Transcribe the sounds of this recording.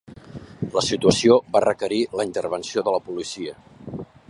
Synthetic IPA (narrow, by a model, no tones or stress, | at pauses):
ləsit̪uəsioβarəkəɾiləint̪ərβ̞ənsioðələpulisiə